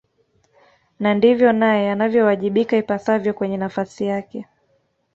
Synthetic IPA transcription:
nandivjɔnajɛanavjɔwaʄiɓikaipasavjɔkwɛɲɛnafasijakɛ

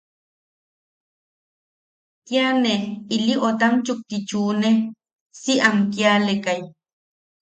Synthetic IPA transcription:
t̪janeiliʔot̪amt͡ʃuk̚t̪it͡ʃuːne | siamkjalekaj

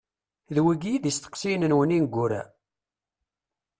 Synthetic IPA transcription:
ðwiɡijiðist̪ə̥qsijnənwəninɡʷːʊɾæ̰

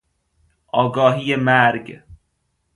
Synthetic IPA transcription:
ʔɒːɡɒːɦiːjemæɾɡ

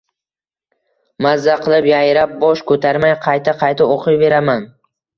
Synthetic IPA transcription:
mazːaqʰɨlˠɪpjajɾap̚bɒʃkʰɵt̪ʰaɾmajqʰɑjt̪ʰaqʰɑjt̪aoqʰɨjbe̞ɾaman

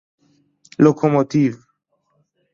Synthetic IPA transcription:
lokʰomot̪iv

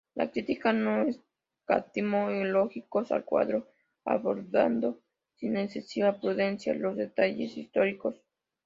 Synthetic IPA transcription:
la̰kɾit̪ikanoes | kat̪imooloxikosa̰lkwa̰ðɾo | a̰βoɾða̰nd̪o | sinesesiβapɾuðensjalozðet̪aʝḛsist̪oɾikos

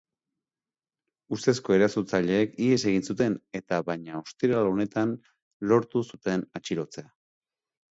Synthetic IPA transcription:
ust̪e̞sko̞e̞ɾasut͡saʎe̞ːkie̞se̞ɣ̞insut̪e̞ne̞t̪aβaɲao̞st̪iɾalone̞t̪an | lo̞ɾt̪usut̪e̞nat͡ʃiɾo̞t͡se̞a

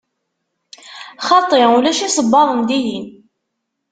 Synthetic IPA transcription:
χɑt̪ˤːeulæʃisəbːɑðˤənd̪ijin

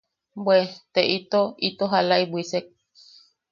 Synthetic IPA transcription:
bwet̪eʔit̪oit̪oɦalaibwʷisek̚

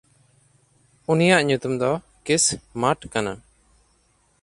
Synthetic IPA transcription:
unijaʔɲut̪umd̪ɔ | kismaʈkana

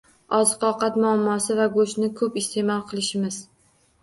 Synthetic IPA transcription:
ɒzɨqɒqɑt̪mʊamːɒsɪvaɡoʃnɪkʰɵpɪst̪ʰe̞mɒlˠqʰɨlˠɪʃɪmɪz

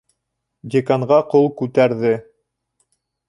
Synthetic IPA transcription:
dʲekaɴʁɑqolˠkʉt̪æɾðɘ

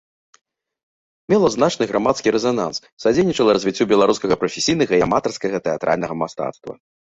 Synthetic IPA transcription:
mʲɛlˠɐznat͡ʂnɨɣɾʔamat̪skʲiɾɛzana̰ns | sad͡zʲenʲit͡ʂɐlˠɐɾɐzʲvʲit͡sʲːubʲɛlˠaɾuskɐɣɐpɾɐfʲesʲijnɐɣɐiamat̪ɐrskɐɣɐt̪ɛat̪ɾʔa̰lʲnɐɣɐmast̪a̰t̪st̪vɐ̰

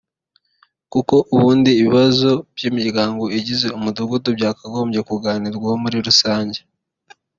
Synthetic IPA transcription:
kuko̞ʔuβuːndiːβiβazo̞b̥ɟimiɾɡaːŋɡo̞iɟize̞umuduɡudubɟaːkaɡo̞ːmɟe̞kuɡaːniɾɡwahomuɾiɾusaːɲɟe̞

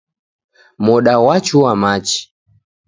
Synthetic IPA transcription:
mɔɗawat͡ʃuwamat͡ʃi̥

